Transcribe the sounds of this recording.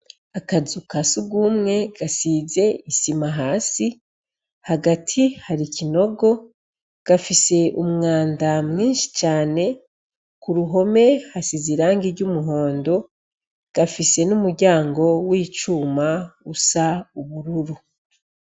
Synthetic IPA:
akazukasuɡuːmŋe̞ɡasize̞isimaɦaːsi | haɡatʰihaɾicʰino̞ɡo̞ | ɡ̥afise̞ʔumŋaːndamŋiːnʃi̥t͡ʃaːne̞ | kuɾuɦo̞me̞hasiziɾaːŋɡiɾɟumuɦo̞ːndo̞ | ɡ̥afise̞numuɾɟaːŋɡo̞wiːt͡ʃuːmausauβuɾuɾu

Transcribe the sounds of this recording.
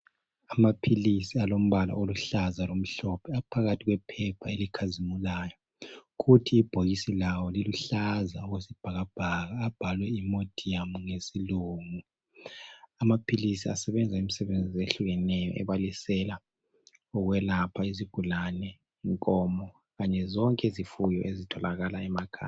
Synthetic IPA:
amapʰilisialom̩βala̰ʔoluɬazalom̩ɬɔpʰɛapʰaɣatʰiɣwɛpʰɛpʰaelikʰazimulaːjɔ | ɣutʰiːb̥ʱoɣisilawɔliluɬazaɔɣwesib̥ʱaɣab̥ʱaɣaːb̥ʱalwɛimod̥ʱiamuŋesiluːŋu | amapʰilisia̰sɛβɛnd͡zʱaim̩isɛβend͡zʱizeɬuɣɛnɛjɔ̰ʔɛ̰βalisɛla | ɔɣwɛlapʰaiziɡ̥ʱulanɛ | iŋkʼɔmɔ | ɣaɲɛzɔŋkʼɛizifujɔ̰ʔezitʰɔlaɣalaɛmakʰa̰

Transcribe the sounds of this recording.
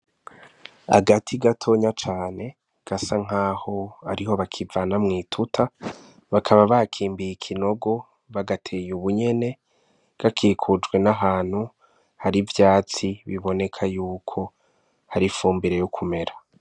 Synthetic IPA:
a̰ɡatʰiɡatʰo̞ɲat͡ʃaːne̞ | ɡ̥asaŋ̥aːho̞aɾiho̞βakʰivanamŋiːtʰutʰa | βakʰaβaβakʰiːmbijikʰino̞ɡo̞ | βaɡatʰe̞ːjuβuɲe̞ne̞ | ɡ̥akʰiːkʰud͡ʒɡwe̞naɦaːn̥hu | haɾivjaːt͡siβiβo̞ne̞kʰajuːkʰo̞ | haɾifuːmbiɾe̞jukʰume̞ɾa

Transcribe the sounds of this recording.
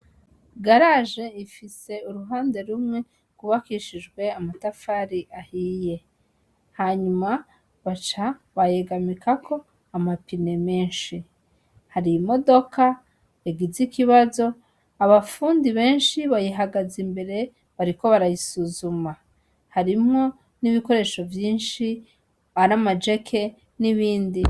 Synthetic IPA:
ɡaɾaʒe̞ifise̞uɾuɦaːnde̞ɾumŋe̞ | kuβakiʃid͡ʒɡwe̞amatafaɾiʔahiːje̞ | haɲuma | βat͡ʃaβaje̞ɡamikʰakʰo̞ | amapine̞meːnʃi | haɾimo̞do̞kʰa | eɡizikʰiβazo̞ | aβafuːndiβe̞ːnʃiβajiɦaɡazimbe̞ɾe̞ | βaɾiko̞βaɾajisuzuma | haɾimŋo̞ | niβiko̞ɾe̞ʃo̞vjiːnʃi | aɾamad͡ʒe̞kʰe̞ | niβiːndi

